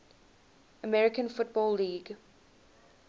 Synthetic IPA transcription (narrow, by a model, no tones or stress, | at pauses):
əmɛɹɪkə̃nfʊt̚bɔːlːiːɡ